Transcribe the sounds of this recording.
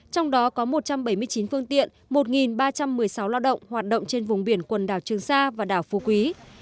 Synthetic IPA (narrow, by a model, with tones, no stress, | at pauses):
t͡ɕɔ˧wŋ͡mɗɔ˨˦kɔ˨˦mo˨˩t̚t͡ɕa˧mɓə˧˩jmɨ˧əjt͡ɕi˨˦nfɨ˧əŋt̪ḭ˧˨ənmo˨˩t̚ŋi˨˩nɓaː˧t͡ɕa˧mːɨ˨˩əjsa˨˦wlaː˧wɗə̰˧˨wŋ͡mhwaː˨˩t̚ɗə̰˧˨wŋ͡mt͡ɕe˧nvʊ˨˩ŋ͡mɓi˧˩ənkwə˨˩nɗaː˧˩wt͡ɕɨ˨˩əŋsaː˧vaː˨˩ɗaː˧˩wfu˨˦kwi˨˦